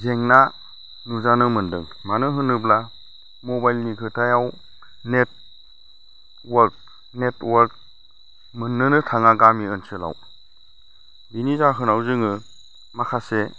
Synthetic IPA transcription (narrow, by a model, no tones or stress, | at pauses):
zeŋna | nuzanɯmɯndɯ̰ŋmanɯɦɯnɯbla | mɔbajlnikʰɯtʰajaw | net̚ | waɾk̚ | netwaɾk̚ | mɯnːɯnɯtʰaŋaɡamiɯnsɯla̰w | binizaɦɯnawzɯŋɯ | makʰase